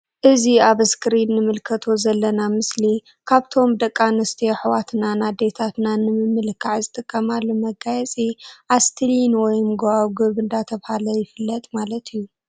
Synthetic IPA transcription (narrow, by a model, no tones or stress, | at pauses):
ʔɨziaβɨskʰɾinːɨmɨlkʰɐt̪ʰo̞zɐlːɐnamɨsli | kʰaβt̪ʰo̞md̪ɐkʼːanɨst̪ʰioħwat̪nanad̪e̞t̪ʰat̪nanɨmɨmːɨlɨkʰːaʕzɨt̪ʼɨkʼːɐmalːumɐɡajɛt͡sʼiʔast̪ʰlinwɔjmɡoawɡɨβɨnd̪at̪ʰɐβhalɐjɪfɨlːɐt̪ʼmalɐt̪ʰijːu